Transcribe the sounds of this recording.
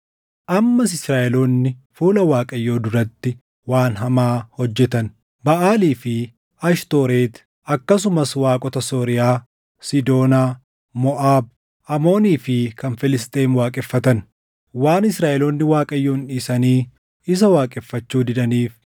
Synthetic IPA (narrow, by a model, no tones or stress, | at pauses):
ʔɐmːɐsɪsɾaːʔɛloːnːɪfuːlɐwaːkʼɐjːo̞ːd̪ʊɾɐt̪ːɪ | waːnɦɐmaːhɔd͡ʒːɛt̪ɐn | bɐʔaːliːfɪ | ɐʃt̪o̞ːɾeːt̪ | ɐkːɐsʊmɐswaːkʼɔt̪ɐsoːɾɪjaː | sɪd̪o̞ːnaː | mɔʔaːb̚ | ʔɐmo̞ːniːfɪkɐnfɪlɪst̪ʼeːnwaːkʼɛfːɐt̪ɐn | waːnɪsɾaːʔɛloːnːɪwaːkʼɐjːo̞ːnᶑiːsɐniː | ɪs̬ɐwaːkʼɛfːɐt͡ʃːuːd̪ɪd̪ɐniːf